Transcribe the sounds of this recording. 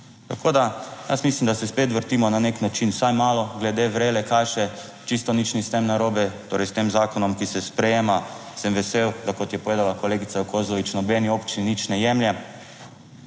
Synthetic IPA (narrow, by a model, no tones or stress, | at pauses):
t̪akʰoːd̪aja̰smislimd̪asɛspeːt̪ʋəɾt̪iːmɔnaneknat͡ʃinsajmaːlɔɡlɛd̪eːʋɾeːlɛkajʃɛ | t͡ʃist̪ɔnit͡ʃnist̪emnaɾoːbɛt̪oːɾɛjst̪eːmzaːkɔnɔmkisɛspɾɛjeːmasɛmʋɛsewd̪akɔt̪jɛpɔʋeːd̪alakoleːɡit̪saukʰozɔʋit͡ʃnɔbɛniopt͡ʃininit͡ʃnɛjɛmjɛ